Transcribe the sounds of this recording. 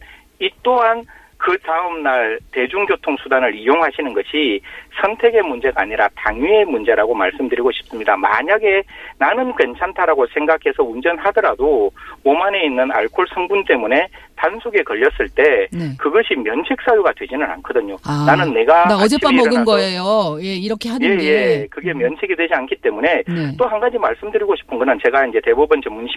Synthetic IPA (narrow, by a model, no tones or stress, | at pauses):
it͈oɦan | kɯtaɯmnaɭte̞d͡ʑuŋɡjotʰoŋsʰudanɯɾijoŋɦaɕʰinɯnɡʌɕʰisʰʌntʰe̞ɡe̞mund͡ʑe̞ɡaːɲiɾataŋie̞mund͡ʑe̞ɾaɡomaɭs͈ɯmdɯɾiɡoɕʰi̥p̚s͈ɯmɲidama̰ɲaɡe̞nanɯnkwe̞nt͡ɕʰantʰaɾaɡosʰe̞ŋɡakʰe̞sʰʌund͡ʑʌnadʌɾadoomane̞inːɯna̰ɭkʰoɭsʰʌŋbunt͈e̞mune̞tansʰoɡe̞kʌʎːʌs͈ɯɭt͈e̞kɯɡʌɭɕ͈ʰimjʌnt͡ɕʰek̚s͈ajuɡadwe̞d͡ʑinɯna̰nkʰʌdɯɲonanɯnːe̞ɡaʌd͡ʑeaʌɡɯnɡʌejojeiɾʌkʰeɦaje̞je̞kɯɡe̞mjʌnt͡ɕʰeɡidwe̞d͡ʑiankʰit͈e̞mune̞t͈ohanɡad͡ʑimaɭs͈ɯmdɯɾiɡoɕʰi̥pʰɯnɡʌnɯnt͡ɕe̞ɡaind͡ʑe̞te̞bubɯnt͡ɕʌmunɕʰi̥